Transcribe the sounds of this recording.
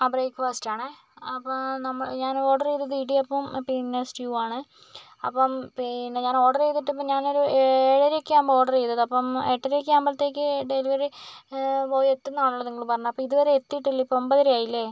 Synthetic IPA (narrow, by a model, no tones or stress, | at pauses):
ɐbrejkːʋastaːɳɨ | ɐpːnɐmːɐɭɲaːno̞ːɖɐrejðɐðiɖiɐpːɐmpinːesʈjuːaːɳɨ | ɐpːɐmpinːe̞ɲaːno̞ːɖɐrejt̪ːiʈːɐp̬ːomɲaːno̞ɾueːɻɐɾekʲːaːmo̞ːɖɐrejt̪ːɐðɨɐpːɐmeʈːɐɾekʲːaːmbɐlɐt̪ːe̞ːk̬ʲːɨɖe̞liʋɐri | oːet̪ːunːaːɭuɭːɐniŋːɐɭpɐrɐɲːumɐpːɐmiðuʋɐɾeet̪ːijʈːilːɐipːoombɐðɐɾaːjilːe